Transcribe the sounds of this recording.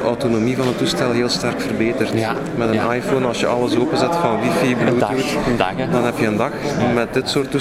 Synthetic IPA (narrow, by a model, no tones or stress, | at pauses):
əʔowtonomivɑnətːustɛlˠɦeːlˠstɛrkfərbeːtərt | mɛtənʔajfonɑlˠsjəʔɑləsoːpənzɛtfɑnwifibluːutdɑnɦɛpjəəndɑxmɛt̚dɪtsoːrtːu